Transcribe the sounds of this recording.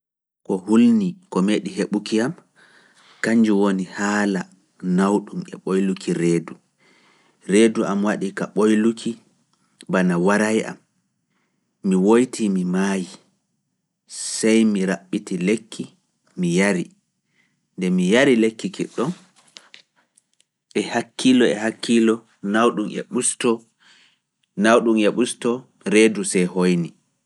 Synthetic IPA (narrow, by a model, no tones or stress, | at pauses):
kɔhulnikɔmeːɗiɦeɓukiam | kaɲd͡ʒuwonihaːla | nawɗumɛ̰ɓojlukʰiɾeːdu | ɾeːduʔamwaɗikaɓojlukʰi | banawaɾajʔa̰m | iwojtimimaji | sajmiɾaɓːitilekʰːi | mijaɾi | ndɛmijaɾilekːikɛɗːɔn | ʔɛhakʰːilɔɛhakːilɔ | nawɗumɛ̰ɓustɔ | nawɗumɛɓustɔ | ɾeːdusɛjhojni